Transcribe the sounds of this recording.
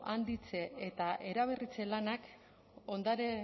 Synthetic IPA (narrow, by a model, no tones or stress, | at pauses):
ʔand̪it͡se̞et̪aʔe̞ɾaβ̞erit͡se̞lanak | o̞nd̪aɾe